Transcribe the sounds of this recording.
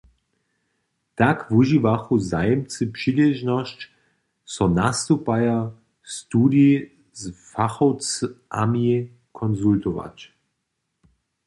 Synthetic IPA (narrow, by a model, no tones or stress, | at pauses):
t̪akvuʒivaxuzajɛmt͡sɨpʂilɛʒnɔst͡ʃ | sɔnast̪upaja | st̪uːd̪i | zfaxɔwt͡sʔamii | kʰɔnzult̪ɔva̰t͡ʃ